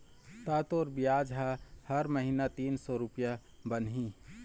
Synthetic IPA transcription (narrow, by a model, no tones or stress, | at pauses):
t̪at̪oːɾbijad͡ʒɦahəɾməɦinat̪iːnsɔɾupja | bənɦi